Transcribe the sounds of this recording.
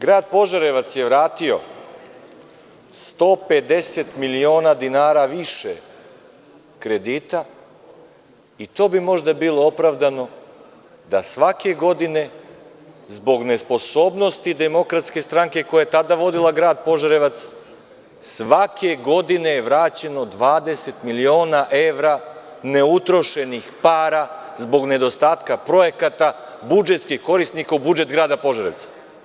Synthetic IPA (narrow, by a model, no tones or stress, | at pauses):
ɡɾaːd̪̚po̞ʒaɾeʋat̪sjeʋɾaːt̪io̞̰ | st̪o̞ped̪eset̪milio̞ːnad̪inaːɾaʋiʃḛ | kɾed̪it̪a | it̪oːbimo̞ʒd̪abilˠo̞opɾavd̪ano̞ | d̪asʋake̞ɡo̞d̪ine̞ | zbo̞ɡne̞spo̞so̞ːbno̞st̪id̪e̞mo̞kɾat̪ske̞st̪ɾaŋke̞ko̞jajet̪ad̪aʋo̞d̪ilˠaɡɾaːd̪̚po̞ʒaɾeʋat̪s | sʋakʰe̞ɡo̞d̪ine̞jeʋɾaːt͡ɕe̞no̞d̪ʋaːd̪e̞se̞t̪milio̞ːnaʔe̞ʋɾa | ne̞ut̪ɾo̞ʃe̞nixpaːɾazbo̞ɡne̞d̪o̞st̪aːt̪kapɾo̞je̞kat̪a | bud͡ʒe̞t̪skixko̞ɾisnikaubud͡ʒe̞t̪ɡɾaːd̪apo̞ʒaɾeʋt̪sḁ